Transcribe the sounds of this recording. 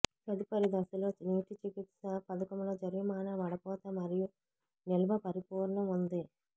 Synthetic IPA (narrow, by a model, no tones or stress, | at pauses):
pɐd̪ipɐɾid̪ɐsuloːniːʈit͡ʃikit̪sɐpɐd̪ɐkɐmloːd͡ʒɐɾjumaːnɐʋɐɽɐpɔːt̪ɐmɐɾiju | nɛlʋɐpɐɾipuːɾnɐmund̪i